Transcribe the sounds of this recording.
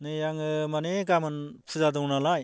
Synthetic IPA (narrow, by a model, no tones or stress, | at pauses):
nɯjaŋɯmaneɡamɯnpʰɯzadɔŋnalaj